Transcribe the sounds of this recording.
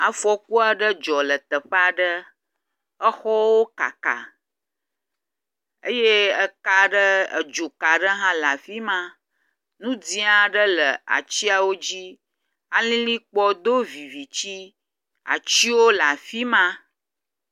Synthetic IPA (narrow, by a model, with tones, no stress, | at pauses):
a˨fɔ˦ku˦a˨ɖə˦d͡ʒɔ˨lə˨t̪ə˨ɸə˦a˨ɖə˦ | ə˦xɔ˦wo˦ka̰˨ka̰˨ | ə̰˦je˦ə˦ka˦ɖə˦ə̰˨d͡ʒo˨ka˨ɖə˦ɦã˦la˨fi˦mã˦ | nũ˦d͡zĩ˦a˨ɖə˦lə˨a̰˨t͡ɕi˦a˨wo˦d͡ʑi˦ | a˦lĩ˦lĩ˦k͡pɔ˦d̪o˦vi˨vi˨t͡ɕi˦ | a̰˨t͡ɕi˦wo˦la˨fi˦mã˦